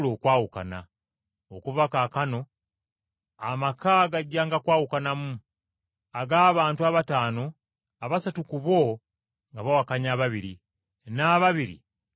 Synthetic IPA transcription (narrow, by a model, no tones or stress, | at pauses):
lo̞ːkwaːwuka̰na̰ | okuvakakano̞ | amakaɡaɟːaːŋɡakwaːwukanamu | aɡaːβaːntuaβataːno̞ | aβasatukuβo | ŋɡaβawakaɲaːβaβiɾi | naːβaβiɾḭ